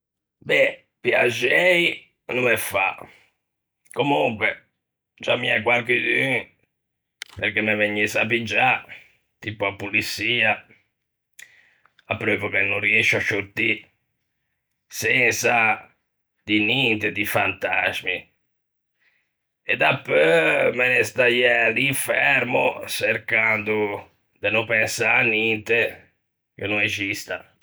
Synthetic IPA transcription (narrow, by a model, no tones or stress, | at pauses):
bɛ | pjad͡ʒɛi | numefa̰ | komuŋkwe | d͡ʒamːiakwalkid̪yŋ | peɾkemːeveɲːisap̬id͡ʒa | t̪ipoapːulisːiːa | apːɾɔvokenːʊriɛʃːaʃot̪ːi | sɛnsa | d̪inint̪ed̪ifant̪azmi | ed̪apːømenest̪ajɛaliɱfɛɾmo̰seɾkand̪ʊ | d̪enʊpɛnsaɾanːint̪e | k̟enːʊnesist̪a